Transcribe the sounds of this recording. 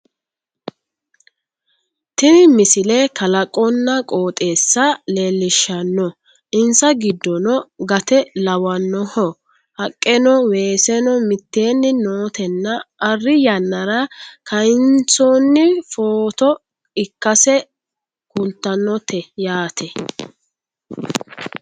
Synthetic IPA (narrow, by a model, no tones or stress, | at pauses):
t̪ɪnɪmɪsɪlɛkɐlɐkʼːɔnːɐkʼo̞ːt̪ʼeːsːɐleːlːɪʃːɐnːɔ | ɪnsɐɡɪd̪ːɔnɔɡɐt̪ɛlɐwɐnːɔhɔ | hɐkʼːɛnɔwe̞ːsɛnɔmɪt̪ːe̞ːnːɪnoːt̪ɛnːɐʔɐrːɪjɐnːɐɾɐkʰɐɪnt͡sɔːnːɪfoːt̪ɔ | ɪkːɐsɛ | kʊnt̪ːɐnːɔt̪ʰɛjaːt̪ʰɛ